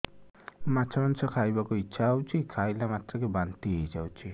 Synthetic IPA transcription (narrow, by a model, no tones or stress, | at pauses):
mat͡ʃʰamansʰʌkʰajbakoitːʃʰaɦawt͡ʃʰikʰajlamat̪ɾʌkebant̪iɦejd͡ʒawt͡ʃʰi